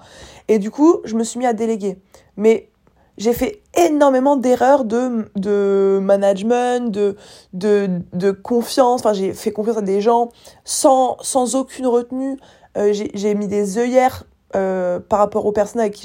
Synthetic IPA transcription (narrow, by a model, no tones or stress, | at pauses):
ed̪ykuʒəməsɥimiad̪eleɡʲe | mɛ | ʒefɛenɔʁmemɑ̃d̪eʁœʁd̪əd̪əmanaʒmɛ̃t̪d̪əd̪əd̪əkɔ̃fjɑ̃sɑ̃fɛ̃ʒefɛkɔ̃fjɑ̃sad̪eʒɑ̃sɑ̃sɑ̃zokʲʰynʁət̪ny | øʒeʒemid̪ezœjɛʁ | øpaʁːapɔʁopɛʁsɔnaakʲi